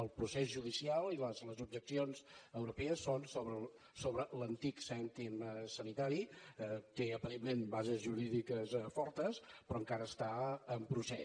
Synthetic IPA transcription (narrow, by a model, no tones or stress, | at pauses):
əlˠpɾusɛzʒuðisialˠiləzləzub̚ʒəksionzəwɾupɛəsːonsoβɾə | soβɾələnt̪iksɛnt̪iməsənit̪aɾit̪eəpəɾemːenbazəzʒuɾiðikəsfɔɾt̪əspɾɔəŋkaɾəːst̪aəmpɾusɛ